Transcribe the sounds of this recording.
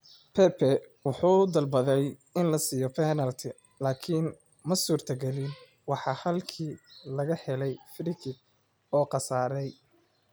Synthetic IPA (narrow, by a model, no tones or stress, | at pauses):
pʰɛpʰɛwʊħuːd̪ɐlbɐðɛjɪnlɐsiːjɔpʰɛnɐlt̪ʰɪ | laːkʰiːn | mɐsuːrt̪ʰɐɡɐlɪn | wɑħɑːhɐlkʰiːlɐɣɐħɛlɛjfɾɪkʰɪ | ɔːqɑsaːɾɛj